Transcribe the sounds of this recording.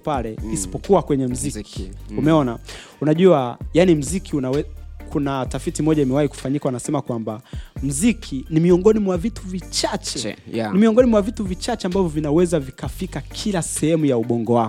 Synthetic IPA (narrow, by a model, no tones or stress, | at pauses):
palɛisi̥pɔkuwakwɛɲɛm̩ziiumɛɔna | unaʄuajanim̩zikiunawɛkʰunatafitimɔʄaimɛwahiku̥faɲikawanasɛmakwambam̩zikʰinimiɔŋɡɔnimwavitʰuvit͡ʃat͡ʃɛnimiɔŋɡɔnimwavituvit͡ʃat͡ʃɛambavjɔvinawɛzavikafikakʰilasɛhɛmujauɓɔŋɡɔwakɔ